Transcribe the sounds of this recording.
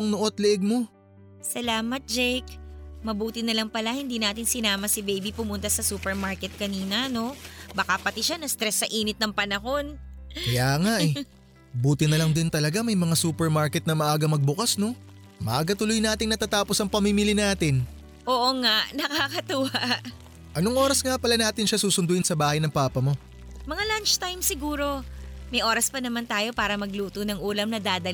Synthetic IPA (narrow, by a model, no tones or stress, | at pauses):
ŋnoʔot̪̚lɪʔɛɡ̚mo̞ | sɐlaːmɐt̪̚d͡ʒɛjkmɐbuːt̪ɪnɐlɐŋpɐlahɪnd̪iːnaːt̪ɪnsɪnaːmɐsɪbejbipʊmʊnt̪ɐsɐsuːpɛɹmaɹkɛt̪̚kɐniːnɐno̞bakapɐt̪ɪʃanɐst̪ɾɛsːɐʔiːnɪt̪̚nɐŋpɐnɐɦo̞nkɐjaːŋaʔɛ | buːt̪ɪnɐlɐŋd̪ɪnt̪ɐlɐɡamɐjmɐŋasuːpɛɹmaɹkɛt̪nɐmɐʔaːɡɐmɐɡ̚bʊkasno̞ | mɐ̰ʔaːɡɐt̪ʊlojnaːt̪ɪŋnɐt̪aːt̪aːposɐŋpɐmimilɪnaːt̪ɪn | ʔoːʔoŋaʔnɐkakɐt̪uwaʔʔ | ʔɐnoŋʔo̞ːɾɐsŋapɐlanaːt̪ɪnʃasuːsʊnd̪ʊɪnsɐbaːhɐjnɐŋpaːpɐmo̞ | mɐŋalant͡ʃt̪ajmsɪɡuːɾo̞mɐjʔo̞ːɾɐspɐnɐmant̪aːjo̞paːɾɐmɐɡluːt̪onɐŋʔuːlɐmnɐd̪aːd̪ɐl